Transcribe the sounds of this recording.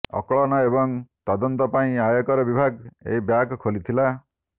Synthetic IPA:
ɔ̰kɔɭɔnɔebɔŋt̪ɔd̪ɔnt̪ɔpaĩajɔkɔɾɔbibʱaɡḛɦibjakkʰolit̪ʰila

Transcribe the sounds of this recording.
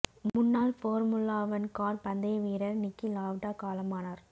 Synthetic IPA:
mʊnːaːlfoːɾmʊlaːʋɐnkaːɾpɐnd̪ɐjʋiːɾɐɾnɪkːilaːʋʈaːkaːlɐmaːnaɾ

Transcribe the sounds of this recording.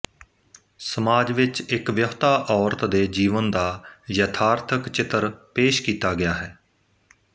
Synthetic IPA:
səmaːd͡ʒʋɪt͡ʃɪkʋjəft̪aːʔɔːɾt̪d̪eːd͡ʒiːʋənd̪aːjət̪ʰaːɾt̪ʰəkt͡ʃɪt̪əɾpeːʃkiːt̪aːɡɪjaːɦɛː

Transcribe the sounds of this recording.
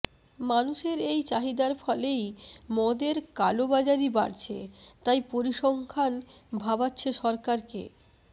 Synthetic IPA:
manuʃeɾejt͡ɕaɦid̪aɾfɔlejmɔd̪eɾkalobad͡ʑaɾiba̰ɾt͡ɕʰḛt̪ajpoɾiʃɔŋkʰanbʱabatːɕʰeʃɔɾkaɾkḛ

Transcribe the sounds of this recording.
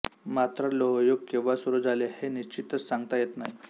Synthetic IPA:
mat̪ɾəloɦjoɡ̚kĩw̃ʋasuɾud͡zʱaleheniɕt͡ɕit̪ət͡ssaŋɡ̚t̪ajet̪naɦi

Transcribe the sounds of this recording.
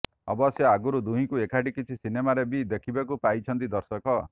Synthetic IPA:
ɔ̰bɔsjɔaɡuɾud̪uɦĩkuekʰaʈikit͡ʃʰisinemaɾebid̪ekʰibakupajt͡ʃʰʌnt̪id̪ɔɾsɔkɔ

